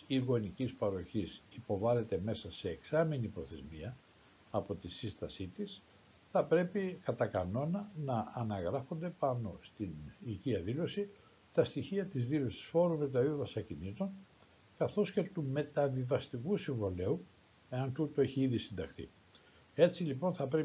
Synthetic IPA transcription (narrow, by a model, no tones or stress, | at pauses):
iɣo̞nicispɐɾo̞çisipo̞vɐle̞t̪e̞me̞sɐse̞ːksɐminipɾo̞θe̞zmiɐː | po̞t̪isist̪ɐsit̪is | θɐpɾe̞pikɐt̪ɐkɐno̞nɐnɐːnɐɣɾɐfo̞nd̪e̞pɐno̞st̪iniʝiɐðilo̞si | t̪ɐst̪içiɐt̪izðilo̞si̥sfo̞ɾovet̪̬ɐiðɐsɐcinit̪o̞n | kɐθo̞sce̞t̪ume̞t̪ɐvivɐst̪ikusiɱvole̞u | e̞ɐnt̪ut̪oe̞çiiðisind̪ɐxθḭ | e̞t͡silipo̞nθɐpɾe